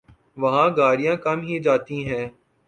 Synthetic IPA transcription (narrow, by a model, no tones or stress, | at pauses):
ʋɐɦãːɡaːɾijãːkɐmɦid͡ʒaːt̪ĩɦɛ̃ː